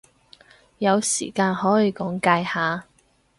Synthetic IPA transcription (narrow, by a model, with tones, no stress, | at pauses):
jɐ˨˧wsḭː˨˩kaː˧nhɔː˨˥jiː˨˧kɔː˨˥ŋkaː˧jhaː˨˧